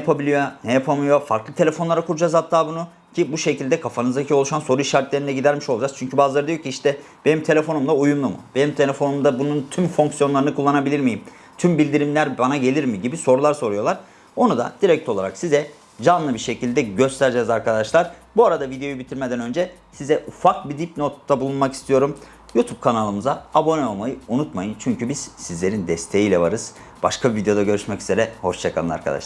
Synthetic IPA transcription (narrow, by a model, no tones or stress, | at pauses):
njapʰabilʲijo̞nɛjapʰamɯjo̞fa̰ɾklˠɯt̪ʰe̞lʲe̞fo̞nˠaɾakʰuɾud͡ʒazhat̪ʰːaːbunu | cʰibuʃe̞cilʲd̪ɛkʰafanɯzd̪acʰio̞lˠuʃanso̞ɾuiʃaɾt̪lʲeɾind̪ɛɟid̪æɾmiʃolˠd͡ʒast͡ʃʰyɲcʰybaːzlˠaɾɯd̪ijocʰʲiiʃt̪ʰɛ | b̥e̞nimt̪ʰe̞lʲe̞fo̞numd̪ˠaujumlˠumɯ̰b̥e̞nimt̪ʰe̞lʲefo̞numd̪abununt̪ʰymfoŋksjo̞nlˠaɾɯnɯkʰulˠːanabilʲiɾmijim | t̪ʰymbilʲd̪iɾimlʲæɾbanaɟe̞lʲiɾmiɟibiso̞ɾulˠaɾso̞ɾujo̞lˠaɾ̥ | o̞nud̪a̰d̪̥iɾɛc̚t̪ʰo̞lˠaɾaksizɛ | d͡ʒanlˠɯbiɾʃe̞cilʲd̪ɛɟø̞st̪ʰæɾd͡ʒɛzaɾkad̪aʃlˠaɾ̥buaɾad̪avid̪ejo̞jubit̪ʰiɾmed̪ænø̞nd͡ʒɛsizɛʔufak̚bid̪ip̚no̞t̪ːabulˠunmaki̥st̪ʰijo̞ɾum | jut̪ʰub̥̚kʰanalˠɯmɯzaabo̞nɛo̞lˠmajɯunut̪majɯnt͡ʃʰyɲcybiz̥sizlʲe̞ɾind̪ɛst̪ʰe̞jiːlʲɛvaɾɯz̥ | b̥aʃkʰabvid̪ejo̞d̪aɟø̞ɾyʃmɛcyze̞ɾɛho̞ʃt͡ʃʰakʰalɯna̰ɾkʰa̰d̪a̰ʃlˠa